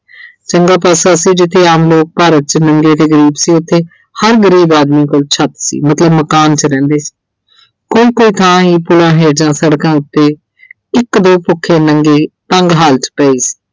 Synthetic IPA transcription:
t͡ʃəŋɡaːpaːsaːsiːd͡ʒɪt̪ʰːeːaːmloːk̚paːɾət̪̚t͡ʃnəŋɡeːt̪eːɡəɾiːbsiːʊt̪ʰːeː | həɾɡəɾiːbaːd̪miːkoːlt͡ʃʰət̪sḭːmət̪ləbməkaːnt͡ʃəɾɛ̃ːnd̪eːsi̥ː | koːiːkoːiːt̪ʰãːɦiːpʊlãːɦɛːd͡ʒãːsəɽkãːʊt̪ːeː | ɪkd̪oːpʊkʰːeːnəŋɡeːt̪əŋɡɦaːltpɛːiːsi̥ː

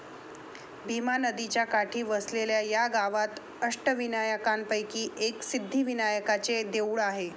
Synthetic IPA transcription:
bʱimanəd̪it͡ɕjakaʈʰiːʋəsleljajaɡaʋat̪ | əʂʈəʋinajəkanpəjkiːʔeksid̪ʱːiːʋinajəkat͡sed̪ewɭaɦe

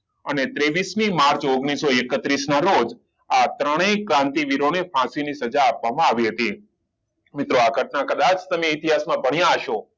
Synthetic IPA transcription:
ənet̪ɾeʋismimaɾt͡ʃoɡɳ̃isoekət̪ɾisnaɾod͡ʒ | at̪ɾəɽ̃ekɾãnt̪iʋiɾonefãsinisəd͡ʒaːpʋamãaʋiɦət̪i | mɪt̪ɾoaɡʱəʈnakəd̪at͡ʃt̪əmeɪt̪iɦasmãbʱəɳijãːʃo

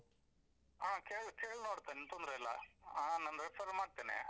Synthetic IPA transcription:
aːkeːɭkeːɭnoːɽt̪anent̪ond̪ɾeɐlːɐ̰aːnɐnɾepʰɐɾmaːɖ̚t̪enḛ

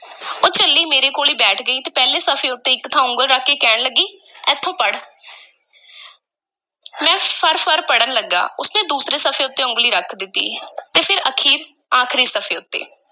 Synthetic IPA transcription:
oːt͡ʃəlːiːmeːɾeːkoːliːbɛːʈʰɡəiːt̪eːpɛːleːsəpʰeːʊt̪ːeːɪkt̪ʰãːʊ̃ŋɡəlɾəkʰːeːkɛːɳləɡːiːɛːt̪ʰːõːpəɽ | mɛ̃ːpʰəɾpʰəɾpəɽənləɡːa̰ːʊsnẽːd̪uːsɾeːsəfʰeːʊt̪ːeːʊ̃ŋɡliːɾəkʰd̪ɪt̪ːḭːt̪eːpʰɪɾəkʰiːɾ | aːkʰɾiːsəpʰeːʊt̪ːḛː

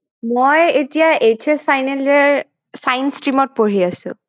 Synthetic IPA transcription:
mojetijaʔet͡ʃʰespʰajnelɛɹ | sajnstɹimɔt̚poɹiasʊ̰̃

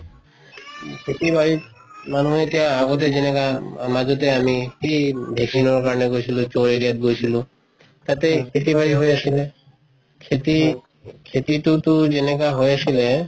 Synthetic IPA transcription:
kʰet̪ibaɹi | manuɦetijaaɡɔt̬ezenɛkamazɔteamikibʱeksinɔɹkaɹɔneɡojsʰilut͡ʃoɹeɡiat̚ɡojsʰilu | t̪at̪ekʰetiβaɹiɦojasile | kʰeti | kʰetitutuzenek̬aɦojasile

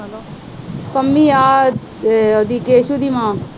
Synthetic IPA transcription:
pɐmːiaː | od̪ikeːʃud̪imãː

